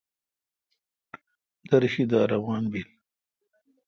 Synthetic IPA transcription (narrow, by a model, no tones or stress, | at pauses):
d̪ɐɾɕid̪ɑːɾɐwɑːnbil